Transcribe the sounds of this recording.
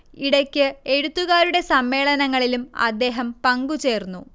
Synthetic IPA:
iɽɐkʲːɨe̞ɽut̪ːuɣaːɾuɽe̞sɐmːe̞ːɭɐnɐŋːɐɭilumɐ̰d̪ːe̞ːɦɐmpɐŋɡut͡ɕe̞ːrnːu

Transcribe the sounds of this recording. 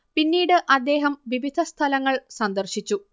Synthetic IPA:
pinːiːɽɨʔɐd̪ːe̞ːɦɐmʋiʋid̪ʱɐst̪ʰɐlɐŋːɐɭsɐnd̪ɐrɕit͡ɕːu

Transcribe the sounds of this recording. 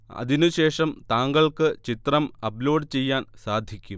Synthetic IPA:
ɐ̰ðinuɕe̞ːʂɐmt̪aːŋɡɐɭkɨt͡ɕit̪rɐmɐplo̞ːɖt͡ɕe̞jːaːnsaːd̪ʱjikʲːum

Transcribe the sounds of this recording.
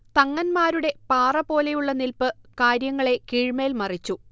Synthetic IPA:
t̪ɐŋːɐnmaːɾuɽe̞paːrɐpo̞ːle̞juɭːɐnilpɨkaːɾjɐŋːɐɭe̞kiːɻmeːlmɐrit͡ɕːu

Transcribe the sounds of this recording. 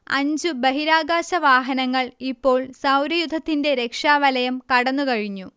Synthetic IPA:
ɐ̰ɲd͡ʑubɐɦiɾaːɡaːɕɐʋaːɦɐnɐŋːɐɭipːo̞ːɭsɐwɾɐjud̪ʱːɐt̪ːinde̞ɾe̞kʂaːʋɐlɐjɐmkɐɽɐnːukɐɻiɲːu

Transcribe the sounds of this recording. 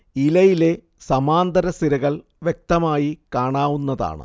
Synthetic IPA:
ilɐjile̞ | sɐmaːnd̪ɐɾɐst̪iɾɐɣɐɭ | ʋjek̚t̪ɐmaːjikaːɳaːʋunːɐða̰ːɳɨ̰

